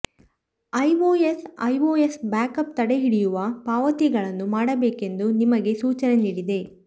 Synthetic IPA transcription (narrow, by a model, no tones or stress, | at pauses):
ɐjʋoːesɐ̰jʋoːjesbaːkɐp̚t̪ɐɽe̞ɦiɽijuʋɐpaːʋɐt̪iɡɐɭɐnːumaːɽɐbeːke̞nd̪unimɐɡe̞suːt͡ʃɐne̞niːɽid̪e̞